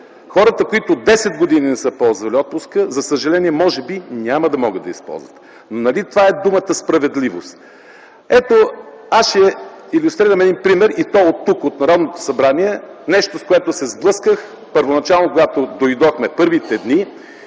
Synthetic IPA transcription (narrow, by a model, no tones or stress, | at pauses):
xɔɾət̪əkoit̪od̪ɛsɛt̪̚ɡod̪ininɛsəpɔlˠzvɐlʲiɔt̪̚pʊskəzɐsəʒɐlɛniɛmɔʒɛbinʲaməd̪ɐmɔɡəd̪ɐ̰ispɔ̰lˠzvə̰t̪ | nonɐlit̪ovaɛd̪umət̪əspɾɐvɛd̪livost̪ | ɛt̪o | asʃɛilʲust̪ɾiɾəmɛd̪inpɾimɛɾit̪ɔot̪ːukot̪nɐɾɔd̪not̪o̥sɐbɾaniɛnɛʃt̪oskoɛt̪osɛzblˠɤskəx | pəɾvonɐt͡ʃalˠnokoɡat̪od̪ojd̪ɔxmɛpɤɾvit̪ɛd̪ni